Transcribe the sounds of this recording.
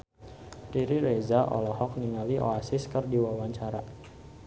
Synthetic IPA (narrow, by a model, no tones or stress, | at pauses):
riɾiɾezaʔɔ̰lɔhɔk̚niŋaliʔo̰asɪskərdiwawaɲt͡ʃaɾa